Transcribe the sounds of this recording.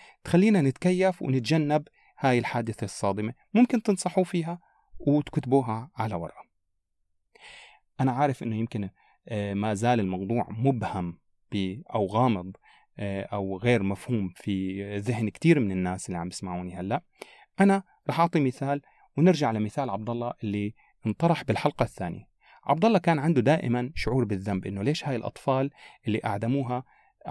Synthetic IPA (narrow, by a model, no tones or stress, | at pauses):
t̪xalːiːnanɪt̪kajːafwɪ̰nɪt̪̚d͡ʒanːab | haːjɪlħaːd̪ɪθasˤːɑːd̪ˤɨme | mʊmkɪnt̪ɨnsˤɑħufiːɦa | wɪt̪kʊt̪buːɦaʕalawɑ̰ɾˤʔa | ʔanaʕaːɾˤɪfʔɪnːʊjɪmkɪn | maːzaːlɪlmɑwd̪ˤuːʕmʊbham | b̥ɪʔawɣɑːmɨd̪ˤ | ʔawɣeːɾmafhuːmfiðɪhnkt̪iːɾmɪnɪnːaːsʔɪlːiʕambjɪ̥smaʕuːnihalːaʔ | ʔana | ɾˤɑːħʔɑʕt̪ˤimɪθaːl | wɪnɪɾʒaʕalamɪθaːlʕɑb̚d̪ɑlˤːɑʔɪlːi | ʔnt̪ˤɑɾˤɑħbɪlħɑlqɑθːaːnḭa | ʕɑ̰bd̪ɑlːɑkaːnʕɪnd̪ud̪aːʔɪ̰manʃʊʕuːɾbɪðːambʔɪnːoleːʃhaːjɪlʔɑ̰t̪ˤfɑːlʔɪlːiʔaʕd̪amuːɦa